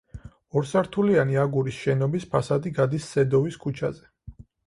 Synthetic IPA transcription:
ɔɾsaɾt̪ʰulianiaɡuɾisʃɛnɔbispʰasad̪iɡad̪isːɛd̪ɔviskʰut͡ʃʰa̰zɛ

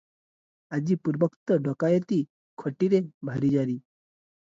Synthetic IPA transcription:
ad͡ʑiːpuɾbəkt̪əɖɔkajət̪iː | kʰəʈiɾebʱaɾid͡ʑaɾiː

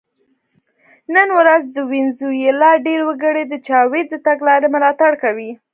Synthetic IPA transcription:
nənwɾazd̪əwɪnzujelɑɖeɾwəɡəɽed̪ət͡ʃɑwed̪ːət̪aɡlɑɾemʊlɑt̪aɽkawi

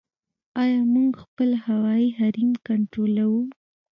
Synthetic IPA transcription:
ɑjɑmuŋɡxpəlhawɑiɦaɾimkaɳʈɾolawu

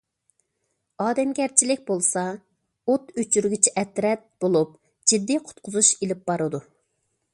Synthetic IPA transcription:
ɑːd̪ɛmɡʲɛɾt͡ʃʰilɪk̚ʲbolˠsɑ | ot̪øt͡ʃʰyɾɡʲit͡ʃʰɛʔɛt̪ɾɛt̪̚b̥olˠup̚ | d͡ʒid̪ːiqʰʊ̥t̪̚qʰʊzuʃelɪp̚bɑɾɨd̪u

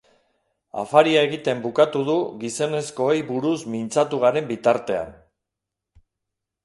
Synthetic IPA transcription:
a̰faɾiae̞ɣ̞it̪e̞mbukat̪uð̞uɣiso̞ne̞sko̞ejβuɾusmint͡sat̪uɣ̞aɾe̞mbit̪aɾt̪e̞a̰n

